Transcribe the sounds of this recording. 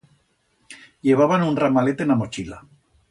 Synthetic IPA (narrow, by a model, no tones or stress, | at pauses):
ʎe̞β̞aβanunramalet̪enamo̞t͡ʃila